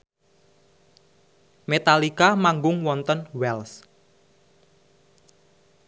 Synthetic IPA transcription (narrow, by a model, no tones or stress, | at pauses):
met̪alikamaŋɡʊŋwɔnt̪ənwɛls